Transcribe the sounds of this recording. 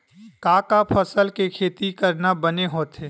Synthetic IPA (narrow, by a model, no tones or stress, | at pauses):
kaːkapʰəsəlkekʰeːt̪ikəɾnabəneɦoːt̪ɦeː